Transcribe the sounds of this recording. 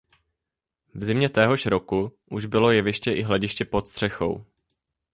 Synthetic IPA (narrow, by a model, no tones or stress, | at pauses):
vzɪmɲɛt̪ɛːɦo̞ʃɾo̞kuʔuʒbɪlo̞jɛvɪʃcɛʔɪɦlɛɟɪʃcɛpo̞t̪st̪r̥ɛxo̞̰w